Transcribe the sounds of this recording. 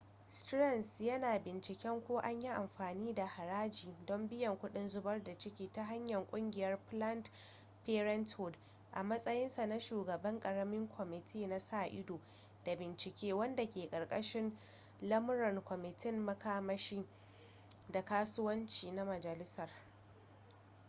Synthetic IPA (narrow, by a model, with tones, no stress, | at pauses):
stɾɐ˦˨nsjɐ˦naː˨bɪ˨nt͡ʃɪ˨kʲɛ˦ŋkʷoː˦ʔa˦ɲji˦ʔa˨mɸaː˨niː˦da˨ha˨ɾaː˦d͡ʒiː˨dɔ˦mbɪ˦jɐ˨ŋkʷʊ˦ɗɪ˦nzʊ˦bɐ˦rda˨t͡ʃɪ˦kʲiː˦ta˦ɦa˦ɲjɐ˨ŋkʷʼʊ˦ŋɡʲɪ˨jɐ˦rplɐ˦nt | peː˦ɾɛ˦nthʊ˨d | ʔa̰˨mɐ˦sʼɐ˦jɪ˦nsa˨na˦ʃuː˨ɡɐ˨bɐ˦ŋkʼɐ˨ɽɐ˦mɪ˦ŋkʷʰɔ˨mɪ˨tʰiː˦na˦saː˦ʔɪ̰˦doː˨ | d̥a˨bɪ˨nt͡ʃɪ˨kʲeː˦wɐ˦nda˨kʲeː˨kʼɐ˨rkʼɐ˦ʃɪ˦n | lɐ˦mʊ˦ɽɔ˨ŋkʷɔ˨mɪ˨tʰɪ˦nːɐ˦kaː˦mɐ˦ʃiː˦ | da˨kaː˦sʊ˦wɐ˦nt͡ʃiː˨na˦mɐ˨d͡ʒɐ˨lɪ˦sɐ˨r